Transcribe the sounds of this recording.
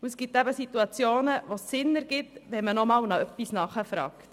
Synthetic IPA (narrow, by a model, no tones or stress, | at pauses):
uɛsɡ̥ɪt̪ːæbəsit̪uɑt͡sjoːnəʋosːɪnːəɾɡ̥ɪtʋɛmənɔmɑːwnɑœpːisnɑχəfɾɑ̰ːkt